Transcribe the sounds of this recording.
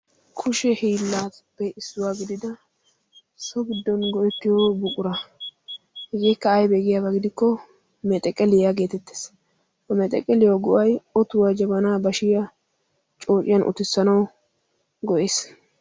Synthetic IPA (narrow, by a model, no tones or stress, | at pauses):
kʰʊʃɛhiːlːaːt̪pːɛɪsːʊwaːɡɪd̪ɪd̪ɐ | sɔɡɪd̪ːɔnɡɔʔɛt̪ːɪjobʊkʼʊɾɐ | hɪɡɛkːɐːjbeːɡɪjaːbɐɡɪd̪ɪkːɔ | mɛt̪ʼɛkʼːɛlɪjaɡe̞ːt̪ɛt̪ːe̥ːs | kɔmɛt̪ʼɛ̰kʼːɛlɪjoɡʊʔɐjɔt̪ʊwad͡ʒɐbɐnaːbɐʃɪjɐ | t͡ʃʼo̞ːt͡ʃʼːɪjɐnʔʊ̰t̪ɪsːɐnɐw | ɡɔʔeːs